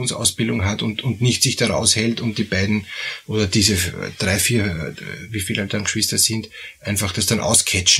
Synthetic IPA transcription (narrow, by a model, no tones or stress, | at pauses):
nsa̰ʊsb̥ɪldʊŋɦatʊntʊndnɪçtsɪçd̥aʁa̰ʊshɛltʊnt̚d̥iːb̥aɪdn̩ʔoːdɐd̥iːzəd̥ʁaɪfiːɐviːfiːladanɡəʃv̥ɪstɐzɪndʔæɪnfaχd̥asd̥anʔa̰ʊskʰɛt͡ʃ